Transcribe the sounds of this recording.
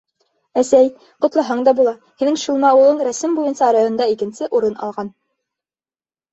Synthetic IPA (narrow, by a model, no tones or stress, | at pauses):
æsæj | qŏt̪lˠɑɦɑɴd̪ɑbulˠɑ | hinɘŋʃŭlˠmɑulˠɤɴɾæsɘmbujɤnsɑɾɑjŏnd̪ɑikɘ̆nsɘʔuɾɤnʔɑ̰lˠʁɑn